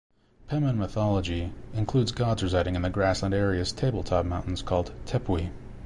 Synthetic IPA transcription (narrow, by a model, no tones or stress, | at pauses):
pʰɛmə̃nməθɑlˠəd͡ʒiɨ̃nkʰl̥ʉdzɡɑdzɹɨzaɪɾɪ̃ŋɨ̃nðɨɡɹæslə̃ndɛɹiɨz̥tʰeɪbl̩ˠtʰɑp̚mãʊ̃nn̩z̥kʰɔlˠd̚tʰɛpʰwi